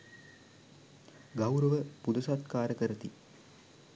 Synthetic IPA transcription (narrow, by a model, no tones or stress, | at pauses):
ɡawɾəʋəpud̪əsat̪kaːɾəkəɾət̪i